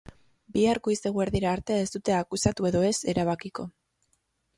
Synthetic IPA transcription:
biaɾkoist̪e̞ɣueɾðiɾaːɾt̪e̞e̞st̪ut̪e̞akusat̪ue̞ðo̞e̞se̞ɾaβakiko̞

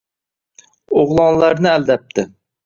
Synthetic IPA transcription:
oʁlˠɑnlaɾnɪæld̪ap̚t̪ʰɪ

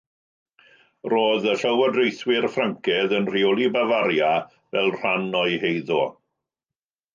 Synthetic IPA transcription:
roːðəɬəwadrejθwɪrfraŋkʰɛðənr̥iɔlˠibavaɾja | vɛ̰lˠr̥anɔɨhejðɔ

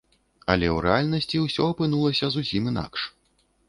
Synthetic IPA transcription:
ɐ̰lʲɛwɾɛalʲnɐsʲt͡sʲiwsʲɔɐpɨn̪ulˠɐsʲɐzusʲimin̪a̰kʂ

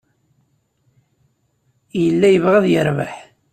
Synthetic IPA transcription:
jəlːæjəvʁæðjəɾvaħ

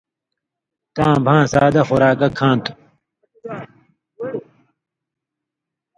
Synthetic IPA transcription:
t̪ãːbʱãːsaːd̪ɐxoɾaːkɐkʰːãːnt̪u̥

